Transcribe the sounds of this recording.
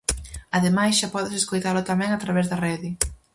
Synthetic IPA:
aðemajsʃapɔðɪseskojt̪aɾlʊt̪amɛ̃ŋat̪ɾaβɛzðɐrɛðɪ

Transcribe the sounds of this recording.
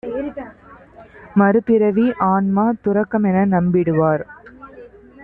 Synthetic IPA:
mɐɾɯpɪɾɐʋiʔaːnmaːt̪ʊɾɐkːɐmɛnɐnɐmbɪɽɯʋaːɾ

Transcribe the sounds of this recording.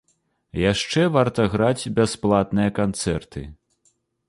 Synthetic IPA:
jaʂt͡ʂɛvart̪ɐɣɾad͡zʲbʲasplˠat̪nɨjɐkant̪sɛrt̪ɨ̰

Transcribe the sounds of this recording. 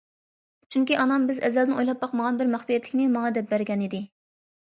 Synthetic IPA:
t͡ʃʰyŋkʲiʔɑnɑmbɪzɛ̰zɛld̪ɪnʔojlˠɑp̚bɑqməʁɑnbɪɾmæχpijɛt̪lɪkʲnɪmɑŋɑd̪ɛp̚bæɾɡʲɛnid̪ɪ

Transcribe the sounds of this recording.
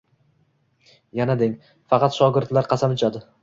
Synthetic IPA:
janad̪ɪŋ | fɑqɑt̪ʃɒɡʲɪɾd̪laɾqʰɑsamʊt͡ʃʰad̪ɪ

